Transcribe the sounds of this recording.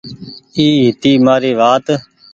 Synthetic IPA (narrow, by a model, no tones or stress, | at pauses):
iːɦɪt̪iːmaːɾiːʋaːt̪